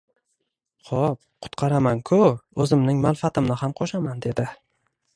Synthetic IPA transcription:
χɒp | qʰʊ̥t̪qʰɑɾamankʰʊɵzɪmnɪŋmanfat̪ʰɪmnɪhamqʰɒʃamand̪e̞d̪ɪ

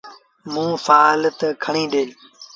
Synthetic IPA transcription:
mũːfaːlt̪əkʰəɳĩːɖeːl

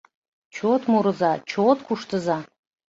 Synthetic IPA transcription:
t͡ɕot̪muɾə̆zɑt͡ɕot̪kuʃt̪əzɑ

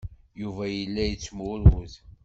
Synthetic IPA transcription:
juvæjəlːæjət͡sːmʊɾwʊð

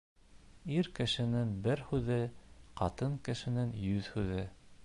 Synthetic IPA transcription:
iɾkɘ̆ʃɘ̆nɘŋbɘɾhʉðɘqɑt̪ɤŋkɘ̆ʃɘ̆nɘŋjʉðhʉðɘ

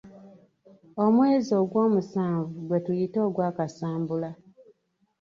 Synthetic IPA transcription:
o̞mwe̞ːzo̞ɡwo̞ːmusaːɱvuɡwe̞tujitoːɡwaːkasaːmbula

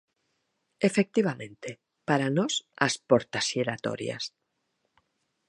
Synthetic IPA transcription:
efek̚t̪iβamẽnt̪e | paɾanosa̰spoɾt̪asjeɾat̪o̰ɾj̰a̰s

